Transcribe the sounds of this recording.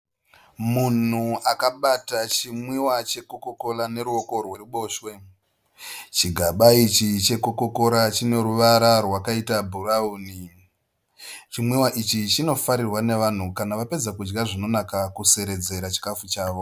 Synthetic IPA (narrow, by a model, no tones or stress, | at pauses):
mun̤uakaɓatat͡ʃimwiwat͡ʃe̞koko̞ko̞lane̞ɾuo̞ko̞rwe̞ruɓo̞ːʃwe̞ | t͡ʃiɡʱaɓait͡ʃit͡ʃe̞kokoko̞ɾat͡ʃine̞ɾuʋaɾarwakaitabʱurauːni | t͡ʃimwiwaʔit͡ʃit͡ʃino̞faɾirwane̞ʋan̤ukanaʋape̞d͡zakud͡ʒɡaʐino̞nakakuse̞ɾe̞d͡ze̞ɾat͡ʃi̥kafut͡ʃaːʋo̞